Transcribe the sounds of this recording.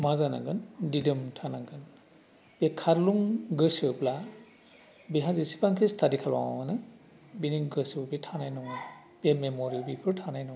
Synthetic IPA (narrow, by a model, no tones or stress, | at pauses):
mazana̰ŋɡɯndidɯmtʰanaɡɯn | bakʰaɾluŋɡɯsɯpla | biɦazisi̥pʰaŋkʰistʰadikʰalwa̰nɯ | biniŋɡɯsiɯbitʰanajnɔŋ | biamemɔɾibipʰɯɾtʰanajnɔŋ